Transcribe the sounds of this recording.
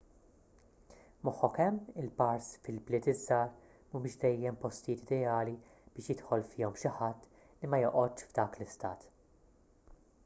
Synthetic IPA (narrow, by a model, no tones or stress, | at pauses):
mɔħːɔkɛmːɪlpɐɾsfɪlblɪːt̪ɪzːɐːɾ | mumɪːʃd̪ɛjːɛmpɔst̪jɪːt̪ɪd̪ɛɐːli | b̥ɪːʃjɪt̪ħɔlfɪːɔmʃɪħɐt̪ː | limɐjɔʔɔt̪ːʃvd̪ɐːklɪst̪ɐ̰ːt̪